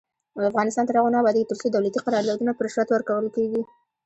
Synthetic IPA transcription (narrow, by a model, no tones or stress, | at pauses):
afɣɑnɪst̪ɑnt̪əɾhaɣonɑbɑd̪at̪əɾsod̪awlat̪iqaɾɑɾd̪ɑd̪unapəɾɪʃɾat̪wəɾkawəlkeɡi